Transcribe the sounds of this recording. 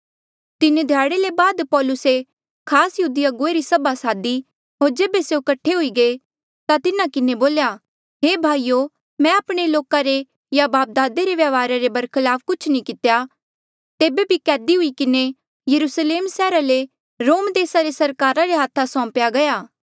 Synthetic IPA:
t̪ɪned̪ʱjaːɽelebaːd̪pɔːlʊse | kʰaːsjɐɦuːd̪ɪjaɡoeɾisɐbʱasaːd̪i | ɦoːɾd͡ʒeːbeseokɐʈʰːeɦʊiɡeː | t̪at̪ɪnãkɪneboːlja | ɦeːbʱaːijo | mɛ̃ɐpɽ̃eloːkaɾe | jabaːp̚d̪aːd̪eɾeʋjaʋaːɾaɾebɐɾkʰɪlaːfkʊt͡ʃʰnĩkɪt̪ja | t̪eːbebʱikɛːd̪iɦʊikɪne | jɐɾusleːmsɛːɾale | ɾoːmd̪eːsaɾesɐɾkaːɾaɾeɦaːt̪ʰːasɔ̃ːpjaɡɐjaː

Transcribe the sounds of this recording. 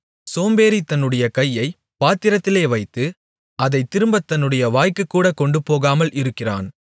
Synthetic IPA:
soːmbeːɾit̪ɐnːɯɽɐjɐkɐjːɐɪ | paːt̪ːɪɾɐt̪ːɪleːʋɐɪt̪ːɯ | ʔɐðɐɪt̪ːɪɾɯmbɐt̪ːɐnːɯɽɐjɐʋaːjkɯkːuːɽɐkɔɳɖɯpːoːɣaːmɐlʔɪɾɯkːɪra̰ːn

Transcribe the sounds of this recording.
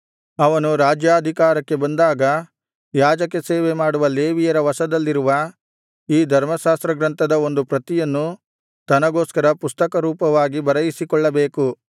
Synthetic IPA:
ɐʋɐnuɾaːd͡ʒjaːd̪ʱikaːɾɐkːe̞bɐnd̪aːɡɐ | jaːd͡ʒɐkːe̞seːʋemaːɽuʋɐleːʋijɐɾɐʋɐsɐd̪ɐlːiɾuʋɐ | iːd̪ʱɐɾmɐʃaːst̪ɾɐɡɾɐnt̪ɐd̪ɐo̞nd̪upɾɐt̪ijɐnːu | t̪ɐnɐɡo̞ːskɐɾɐpust̪ɐkɐɾuːpɐʋaːɡibɐɾɐjisikɔɭːɐbe̞ːku

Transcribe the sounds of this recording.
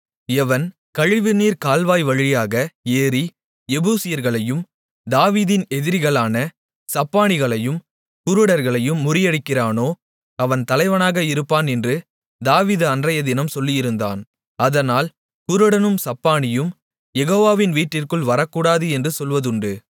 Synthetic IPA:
ɛʋɐn | kɐɻɪʋɯniːɾkaːlʋaːjʋɐɻɪjaːɣɐeːɾi | ɛbuːsɪjɐɾɣɐɭɐjɯm | d̪aːʋiːðɪnɛðɪɾɣɐɭaːnɐ | sɐpːaːnɪɣɐɭɐjɯm | kʊɾɯɽɐɾɣɐɭɐjɯmːʊrɪjɐɽɪkːɪraːnoː | ɐʋɐnt̪ɐlɐɪʋɐnaːɣɐɪɾɯpːaːnɛndrɯ | d̪aːʋiːðɯɐndrɐjɐd̪ɪnɐmsɔlːɪjɪɾɯnd̪a̰ːn | ɐðɐnaːl | kʊɾɯɽɐnɯmsɐpːaːnɪjɯm | jɛɣoːʋaːʋɪnʋiːʈːɪrkɯɭʋɐɾɐkːuːɽaːðɯɛndrɯsɔlʋɐðɯɳɖɯ

